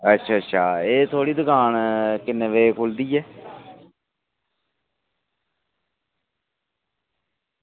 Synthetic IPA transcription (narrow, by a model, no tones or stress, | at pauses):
ətːʃʰaːətːʃʰaːeːt̪ʰoːɽiːd̪ʊɡaːnkɪneʋeːkʰʊld̪iːɛː